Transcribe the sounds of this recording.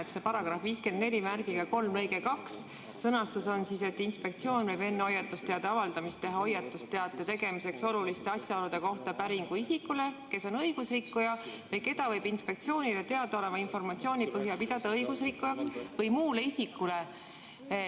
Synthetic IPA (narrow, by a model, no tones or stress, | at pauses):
ese̞pɑɾɑɡ̥rɑhviːske̞nd̪̚ne̞lʲimærɡ̥iɡ̥ɑko̞lmrɤjɡe̞kɑks | sɤnɑst̪uso̞nsise̞t̪ːinspe̞k̚t̪sio̞ːnvɤjbe̞nːeo̞jːɑt̪ːˑust̪ːeɑd̪̥ɑɑvɑld̪̥ɑmist̪ːe̞ɦɑo̞jːɑt̪ːust̪ːe̞ɑt̪ːˑet̪e̞ɡ̥e̞mise̞kso̞lulist̪e̞ɑsjɑɑlud̪̥e̞ko̞ht̪ɑpæɾiŋɡ̥uisikːule̞ke̞so̞nɤ̞jɡ̥usrikːujɑvɤjke̞d̪̥ɑvɤjb̥inspe̞k̚t̪sijo̞ːnʲile̞t̪e̞ɑd̪̥ɑo̞le̞mɑinfo̞rmɑt̪sio̞ːnʲipɤɦjɑlpid̪̥ɑd̪̥ɑɤjɡusrikːujɑksvɤjmuːle̞isikːule̞